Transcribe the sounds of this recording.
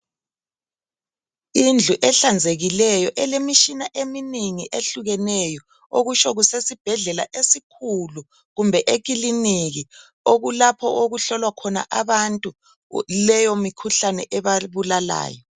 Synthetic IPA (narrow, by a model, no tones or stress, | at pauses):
ind͡ɮʱuʔɛɬand͡zʱeɣilɛjɔʔɛlemit͡ʃinaʔeminiŋiʔeɬuɣɛnɛjɔ | oɣuʃɔɣusesib̥ʱɛɮɛla̰ʔesikʰulu | ɣumbʱɛʔekʼiliniɣi | oɣulapʰɔʔoɣuɬɔlwakʰɔna̰ʔaβantʼu | lɛjomikʰuɬanɛ̰ʔɛβaβulala̰ːjɔ